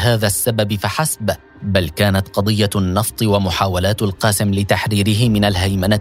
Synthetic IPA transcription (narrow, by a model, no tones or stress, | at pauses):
haːðasːababfaħasb | balkaːnat̪qɑd̪ˤɨjːanːɑft̪ˤɨwamʊħaːwalaːt̪alqɑːsɪmlɪt̪aħɾiːɾɪɦɪmɪnalɦajmana